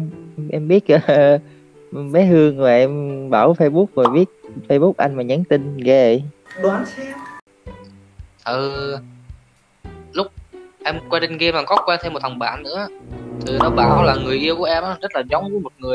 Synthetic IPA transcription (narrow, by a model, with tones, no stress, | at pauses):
ʔɛ˧mɓi˦˥ət̚ʔə˨˧ | ɓe˨˦hɨ˧əŋmaː˨˩ʔɛ˧mɓaː˧˩wfə˧jɓu˦˥k̚voː˨˩jɓi˦˥ət̚fə˧jɓʊ˦˥k̚ʔa˧jŋ̟maː˨˩ɲə˨˦nt̪ï˧n̟ɣɛ˧˨ɗwaː˨˦ni˧˦ | t̪ʰɨ˨˩ | lʊ˦˥k͡p̚ʔɛ˧mkwaː˧t͡ɕi˧ŋɣɛ˧maː˨˩kɔ˨˦kwaː˧t̪ʰe˧mo˨˩t̪̚ʰə˨˩ŋ͡mɓa̰ː˧˨nnɨ̰˧˥˧t̪ʰi˨˩nɔ˨˦ɓa̰ː˧˩wlaː˨˩ŋɨ˨˩əjʔi˧əku˨˩ʔɛ˧mʔaː˨˦zə˦˥t̚laː˨˩za˨˦wŋ͡mvɨː˨˦jmo˨˩t̚ŋɨ˨˩ə